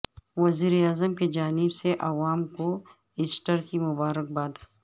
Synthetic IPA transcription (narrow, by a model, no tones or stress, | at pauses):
wɐziːɾeaːzəmked͡ʒaːnɪbseʔɐʋaːmko | ɪsʈəɾkimʊbaːɾək̚baːd̪